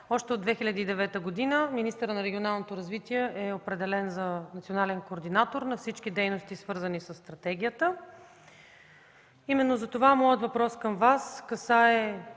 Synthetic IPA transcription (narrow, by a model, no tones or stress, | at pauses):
ɔʃt̪ɛod̪vɛxilʲəd̪iːd̪ɛvɛt̪əɡod̪inəminist̪əɾənɐɾɛɡʲionalˠnot̪oɾɐzvit̪iɛʔɛopɾɛd̪ɛlɛnzɐnɐt̪sionalɛnkoːɾd̪inat̪oɾnɐfsit͡ʃk̟id̪ɛjnost̪isvɤɾzənisəsːt̪ɾɐt̪ɛɡ̟ʲijət̪ə | imɛnːozɐt̪ovamɔjət̪vɐpɾɔskəmvaskɐsaɛ